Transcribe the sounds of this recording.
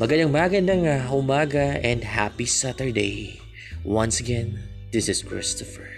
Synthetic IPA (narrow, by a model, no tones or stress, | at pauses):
mɐɡɐd̪ɐŋmaɡɐnd̪ɐŋaʊmaːɡɐɛ̃nd̪hapisat̪əɹd̪ej | wɐ̃nsɐɡɛ̃n | d̪ɪsɪskɹɪ̰st̪ɔfɛɹ